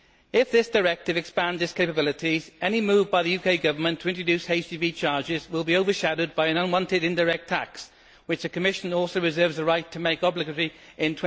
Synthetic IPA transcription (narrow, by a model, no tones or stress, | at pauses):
ɪfðɪsd̥ə˞ɛk̚tɨvɨkspæ̃nzɪskʰeɪpəbɪlˠɪtʰizɛñimʉːvbaɪðəjʉkʰeɪɡʌvə˞mə̃ntʰəɪ̃nt͡ʃɹ̥ədʉˑsheɪstivit͡ʃʰɑɹd͡ʒɪzwɪlˠbioʊvə˞ʃaɾoʊd̚baɪɨ̃nʌ̃nwɒ̃ntɪɾɪ̃ndəɹɛk̚tʰaks | wɨt͡ʃðɨkʰəmɪʃə̃nɔˑlˠsoʊɹɨzɜ˞vzəɹaɪtʰəmeɪkɒblɨɡəɹiɪ̃ntʰwɛ̃